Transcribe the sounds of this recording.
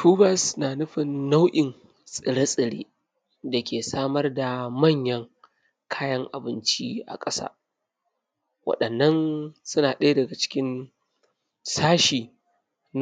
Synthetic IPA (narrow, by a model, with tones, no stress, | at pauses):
tuː˦bɐ˦snaː˨nʊ˦ɸɪ˨nːa˦wʔɪ˨n | sʼɪ˨ɽa˦sʼɪ˨ɽḛː˦ | da˨kʲeː˨saː˦mɐ˦rda˨mɐ˦˨ɲjɐ˦ŋ | kʰaː˦jɐ˦ŋʔa˨bɪ˦nt͡ʃi˦ʔa̰˨kʼɐ˦sa̰ː˦ | wɐ̰˨ɗɐ˨nːɐ˦nsʊ˦naː˨ɗeː˦dɐ˨ɡa˨t͡ʃɪ̥˦kʲɪ˦n | saː˦ʃiː˨ | n